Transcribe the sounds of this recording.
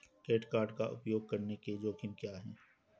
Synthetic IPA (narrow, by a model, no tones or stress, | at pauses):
keːʈkaːɾɖkaʔʊ̰pjoːɡ̚kɐɾneked͡ʒoːkʰɪmkjaːɦɛ̃ː